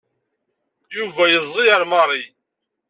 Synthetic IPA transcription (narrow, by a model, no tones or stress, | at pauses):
juvæjəzˤːiəɾmɑɾˤi